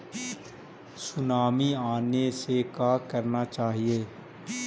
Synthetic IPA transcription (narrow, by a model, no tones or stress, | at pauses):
sʊnaːmiaːnesekaːkəɾnat͡ʃaːɦieː